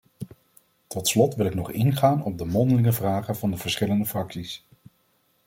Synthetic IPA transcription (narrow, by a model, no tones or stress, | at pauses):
tɔtslɔtʋɪlɪknɔχɪ̰nχaːnɔb̚dəmɔndəlɪŋəvraːχənvɑndəv̥əɹsχɪləndəfrɑksis